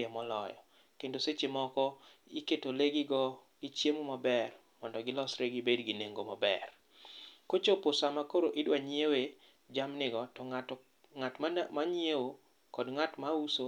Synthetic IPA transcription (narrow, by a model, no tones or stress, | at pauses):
ɛmɔlɔ̰jɔ̰ | kendoset͡ʃemɔkɔiketoleɡɪɡɔ | ɡ̥ɪt͡ʃjemomabɛr | mɔndɔɡɪlɔsɾeɡɪbedɡineŋɡomabɛ̰r | kot͡ʃopʊsamakoɾoʔɪdwaɲjewe | d͡ʒamnɪɡɔtɔŋ | ŋatmaɲjewo | kɔdŋatmauso